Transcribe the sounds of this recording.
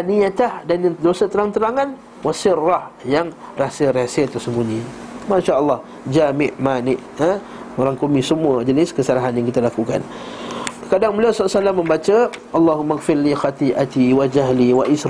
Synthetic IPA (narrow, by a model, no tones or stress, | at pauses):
aniat̪ahdanadosət̪əɾaŋnt̪əɾaŋan | wasɪrːahjaŋ | rasəɾasət̪əsəmuɲi | maʃaʔəlˠːɑh | d͡ʒamɪʔmanɪʔə | moɾaŋkomisəmuəd͡ʒənɪskəsalaɦanjaŋkit̪alakuka̰n | kadaŋbəliasasalamːə̃mbat͡ʃəʔalˤːaɦumːaɣfɪɾlixat̪iʔat̪iwad͡ʒaɦliwaʔis